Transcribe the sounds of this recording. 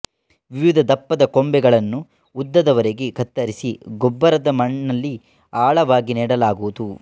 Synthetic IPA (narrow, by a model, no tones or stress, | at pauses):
ʋiʋid̪ʱɐd̪ɐpːɐd̪ɐkombɛɡɐɭɐnːu | ud̪ːɐd̪ɐʋɐɾeɡe̞kɐt̪ːɐɾisiɡɔbːɐɾɐd̪ɐmɐɳːɐlːi | aːɭɐʋaːɡiniːɽɐlaːɡuʋud̪u